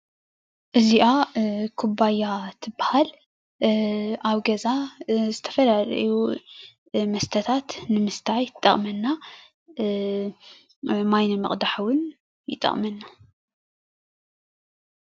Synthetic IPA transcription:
ʔɨziʔakʰubajːat̪ʰɨbːahal | aβɡɐzazɨt̪ʰɐ̥fɐlaɾ̰ju | mɐst̪ʰɐt̪ʰat̪nɨmɨst̪ʰajt̪ʼːɐ̰χʼmɐnːa | majnɐmɨ̰χʼd̪aħwʊn | jɨt̪ʼːɐ̰χʼmɐnːa

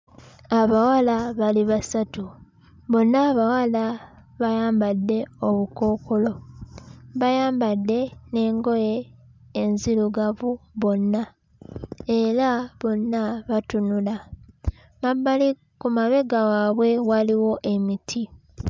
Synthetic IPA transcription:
aβawalaβaliβasatu | βo̞nːaːβawala | βajaːmbadːe̞o̞βuko̞ːko̞lo̞ | βajaːmbadːe̞ne̞ːŋɡo̞je̞ː | nziluɡavuβo̞nːa | e̞ɾaβo̞nːaβatunula | mabl | kumaβe̞ɡawaβwe̞waliwo̞ʔe̞mitʰi

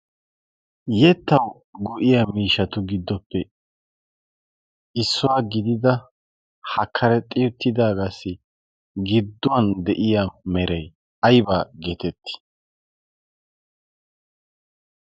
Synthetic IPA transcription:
jɛt̪ːɐw | ɡʊʔɪjamiːʃɐt̪ʊɡɪd̪ːɔpːɛ | ʔɪsːʊwaːɡɪd̪ɪd̪ɐ | hɐkʰːɐɾɛt̪ʼɪjʊt̪ʰːɪd̪aːɡasɪ | ɡɪd̪ːʊwɐnd̪ɛʔɪjamɛɾɛj | ɐjbaːɡe̞ːt̪ɛt̪ːɪ̥

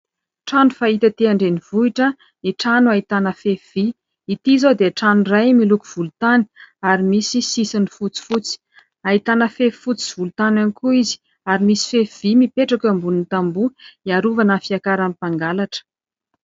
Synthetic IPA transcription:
ʈ͡ʂanufait̪at̪eaɳɖ͡ʐenivuiʈ͡ʂə | iʈ͡ʂanuait̪anəfev̥i | it̪izod̪eʈ͡ʂanurajmilukuv̥ulut̪ani̥aɾimisisisinifut͡si̥fut͡si̥ | ait̪anəfe̥fut͡si̥v̥ulut̪ananikuizi̥ | aɾimisi̥fefv̥imipeʈ͡ʂakambunint̪ambuiaɾuvananfiakaɾamipaŋɡalaʈ͡ʂə̥

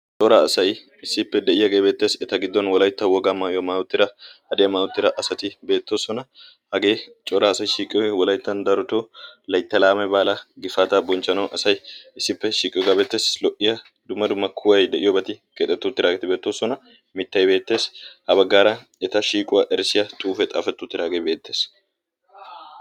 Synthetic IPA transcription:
t͡ʃʼɔɾaːsɐj | ɪsːɪpːɛd̪ɛʔɪjɐɡeːbe̞ːt̪ːe̞ːsɛt̪ɐɡɪd̪ːɔnwɔlɐjt̪ːɐwɔɡamaːʔɪjɔmaːwʊt̪ːɪɾɐhɐd̪ɪjɐmaːʊt̪ːɪɾɐʔɐsɐt̪ɪbe̞ːt̪ːo̞ːsɔnɐ | hɐɡe̞ːt͡ʃʼɔɾɐːsɐjʃiːkʼɪjɔjwɔlɐjt̪ːɐnd̪ɐɾʊt̪olɐjt̪ːɐlaːmɛbaːlɐɡɪfaːt̪abɔnt͡ʃːɐnɐwɐsɐjɪsːɪpːɛʃiːkʼɪjɔɡabeːt̪ːe̞ːslɔʔɪjɐ | d̪ʊmːɐd̪ʊmːɐkʰʊwɐjd̪ɛʔɪjɔbɐt̪ɪkeːt̪ʼːɛt̪ːʊt̪ːɪɾaːɡɛt̪ɪbe̞ːt̪ːoːsɔnɐ | mɪt̪ːɐjbe̞ːt̪ːe̞ːshɐbɐɡːaːɾɐ | ɛt̪ɐʃiːkʼʊwɐʔɛɾsɪjɐt̪ʼuːfɛt̪ʼa̰ːfɛt̪ːʊt̪ːɪɾaːɡejbe̞ːt̪ːe̞ːs

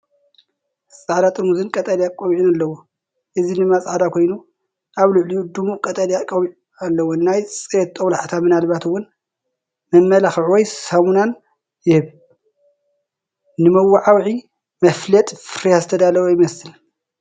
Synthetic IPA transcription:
sʼaʕd̪at̪ʼɨɾmuzɨnkʼɐt̪ʼɐljakʼːowʕinalːɐwo | ʔɨzinɨmasʼʕad̪akʰo̞jnu | ʔaβluʕlid̪umukʼɐt̪ʼɐljakʼɐwʕ | alːɐwonajsʼet̪ːʼɐwlaħt̪ʰamɨnalβat̪ɨwːʊn | mɐmːɐlaxʕwɔjsɐmunan | jɪhɨβ | nɨmɐwːaʕawʕi | mɐflɐt̪ʼfɨɾijazɨt̪ʰɐd̪alɐwojɪmɐsɨl

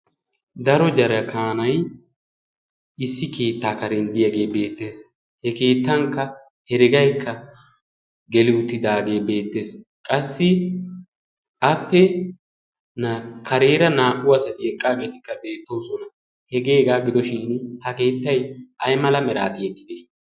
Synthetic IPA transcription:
d̪ɐɾɔd͡ʒɐɾɐkʰaːnɐj | ɪsːɪke̞ːt̪ːaːkɐɾɛnd̪ɪjɐɡe̞ːbe̞ːt̪ːe̞ːs | hɛke̞ːt̪ːɐŋkːɐ | hɛɾɪɡɐjkːɐ | ɡɛlɪʊt̪ːɪd̪aːɡe̞ːbe̞ːt̪ːe̞ːskʼɐsːɪ | ʔɐpːɛ | nakɐɾe̞ːɾɐnaːʔʊwɐsɐt̪ɪɛkʼːaːɡe̞ːt̪ɪkːɐbe̞ːt̪ːo̞ːsɔnɐ | hɛɡe̞ːɡaːɡɪd̪ɔʃiːnhɐke̞ːt̪ːɐjʔɐjmɐlɐmɛɾa̰ːt̪ɪɛt̪ːɪ̥d̪e

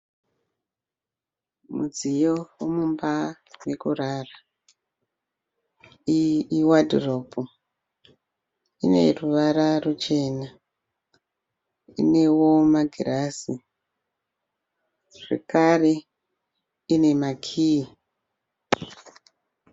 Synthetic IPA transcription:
mud͡zijowomumba | wekuraːra | iwadʱropu | ine̞̰ruʋaɾarut͡ʃe̞na | ḭne̞wo̞maɡʱirasi | ʐ̥ḛkare̞ | ine̞makʰii

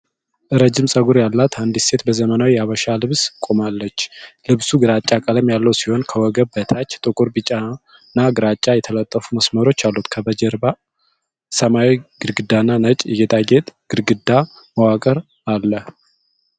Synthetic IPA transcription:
ʔɨɾəd͡ʒɪmsʼəɡuɾjalːat̪ʰand̪ise̞t̪bəzəmənawiaβəʃalɨβskʼo̞malːət͡ʃːlɨβsuɡɨɾat͡ʃʼːakʼələmjalːəwsiho̞nkʰəwɔɡəbət̪ʰat͡ʃːt̪ʼɨkʼuɾbɨt͡ʃʼa | nːaɡɨɾat͡ʃʼːajɛt̪ʰələt̪ʼːəfuməsməɾo̞t͡ʃːalːut̪kʰəbəd͡ʒəɾba | səmawiɡ̥ɨɾɡɨd̪ːanːanət͡ʃʼjɛɡet̪ʼaɡe̞t̪ʼɡ̥ɨɾɡɨd̪ːa | məwakʼəɾ | alːə

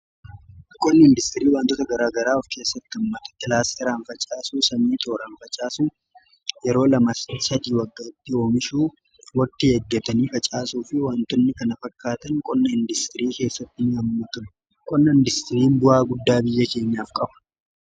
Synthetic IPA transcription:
kʼɔnːɐɪnd̪ɪst̪ɪɾiːwaːnt̪ɔt̪ɐɡɐɾaːɡɐɾaːɔfke̞ːsːɐt̪ːɪɐmːɐt̪ɐ̥t̪ːɪlaːst̪ʰɛɾaːnfɐt͡ʃʼaːsuːsɐmiːt̪ʰʼo̞ːɾɐnfɐt͡ʃʼaːsuː | jɛɾo̞ːlɐmɐssɐd̪iːwɐɡːaːɪt̪ːɪoːmɪʃuː | wɐt̪ːɪhɛɡːɛt̪ɐniːfɐt͡ʃʼaːsuːfɪwaːnt̪ɔnːɪkɐnɐfɐkːaːt̪ɐŋkʼɔnːɐɪnd̪ɪst̪ɪɾiːke̞ːsːɐt̪ːɪnɪɐmːɐt̪ʊn | kʼɔnːɐɪnd̪ɪst̪ɪɾiːmbʊhaːɡʊd̪ːaːbɪjːɐke̞ːɲːaːfkʼɐbɐ̥

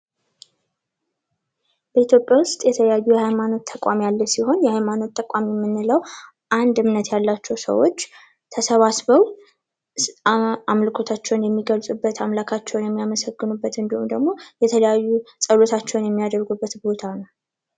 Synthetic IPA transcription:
bəit̪ʰjo̞pʼjawʊst̪ʼjɛt̪ʰələjajːujɛhajmano̞t̪ʰːəkʷʼamjalːəsiho̞njɛhajmano̞t̪ːəkʼamjɛmːɨnːɨləw | ʔand̪ɨmnət̪jalːat͡ʃːɛwsə̰wo̞t͡ʃː | t̪ʰəsəβasβəw | amlɨkʰo̞t̪ʰat͡ʃːɛwnjɛmːiɡəlsʼubːət̪ʰamlakʰat͡ʃːɛwnjɛmːijaməsəɡːɨnubːət̪ɨnd̪əumd̪əɡmo̞jɛt̪ʰələjajːusʼəlo̞t̪ʰat͡ʃːɛwnjɛmːijad̪əɾɡubːət̪bo̞t̪ʰanəw

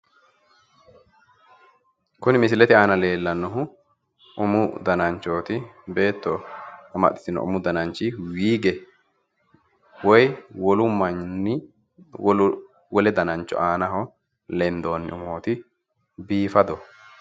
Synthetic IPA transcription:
kʊnɪmɪs̬ɪlɛt̪ɪaːnɐle̞ːlːɐnːɔɦʊ | ʔʊmʊd̪ɐnɐnt͡ʃːo̞ːt̪ɪbe̞ːt̪ːɔɐmɐ̰ʔɪ̥t̪ɪnɔ̰ʔʊ̰mʊd̪ɐnɐnt͡ʃːɪwiːɡɛ | wɔjwɔlʊmːɐɪ | wɔlɛd̪ɐnɐnt͡ʃːɔ̰ʔaːnɐɦɔ | lɛmd̪o̞ːnːɪ̰ʔʊmoːt̪ɪ | biːfɐd̪ɔ

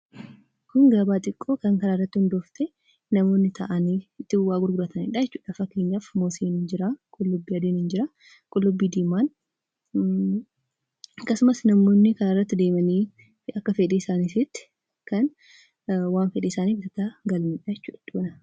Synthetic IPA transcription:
kʊnɡɐbaːt̪ʼɪkʼːoːkɐŋkɐɾaːrːɐt̪ːɪhʊnd̪oːft̪ʰɛ | nɐmoːnːɪt̪ʰɐʔɐniːɪt̪ːɪʊwaːɡʊɾɡʊɾɐt̪ɐnḭːᶑajɛt͡ʃːuːᶑɐfɐkːe̞ːɲːafmoːseːnɪnd͡ʒɪɾakʼʊlːʊbːiːɐd̪eːnɪnd͡ʒɪɾa | kʼʊlːʊbːiːd̪iːmaːn | ɐkːɐsʊmɐsnɐmoːnːɪkɐɾaːrːɐt̪ːɪd̪e̞ːmɐniː | ɐkːɐfɛᶑiːɪsaːnisɪt̪ːɪ̥ | kɐn | waːnfɛᶑɛɪsaːniːfɪt̪ɐt̪aɡɐlniːᶑɐjɛt͡ʃːṵːᶑɐ̥ᶑuːnɐ

